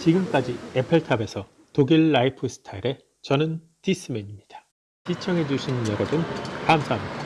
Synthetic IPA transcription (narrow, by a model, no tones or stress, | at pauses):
t͡ɕiɡɯmk͈ad͡ʑie̞pʰeɭtʰabe̞sʰʌ | toɡiɭːaipʰɯsʰɯ̥tʰaiɾe̞ | t͡ɕʌnɯn | tis͈ɯme̞ɲimɲid̥ḁ | t͡ɕit͡ɕʰʌŋɦe̞d͡ʑuɕʰinɯnjʌɾʌbɯnkamsʰaɦamɲid̥a